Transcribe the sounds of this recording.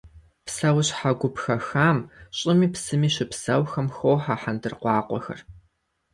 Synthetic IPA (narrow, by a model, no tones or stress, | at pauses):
psɐwɕħaɡʷʊpxɐxaːmɕʼɪmiːpsɨmiːɕɪpsɐwxɐmxowħaħandɨrqʷɑːqʷɔ̰xɐ̰r